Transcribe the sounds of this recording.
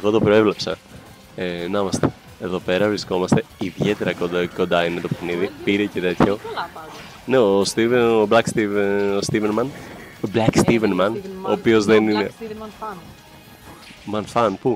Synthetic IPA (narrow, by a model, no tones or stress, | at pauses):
eɣo̞t̪o̞pɾo̞e̞vlepsɐ̰ | enɐmɐst̪e̞̥ | eðo̞pe̞ɾɐvɾisko̞mɐst̪e̞iðʝe̞t̪e̞ɾɐkoko̞nd̪ɐine̞t̪o̞pexniðipiɾece̞t̪e̞t̪ço̞ | ne̞ost̪ioblɐkst̪ivost̪ivenmɐnblɐkst̪ivenmɐnoːpio̞zðenine̞ | mɐnfɐnpu